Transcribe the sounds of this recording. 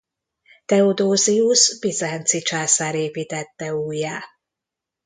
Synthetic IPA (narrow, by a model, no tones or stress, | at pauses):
t̪ɛod̪oːziusbizɛnt̪sit͡ʃaːsaːɾeːpiːt̪ɛt̪ːɛuːjaː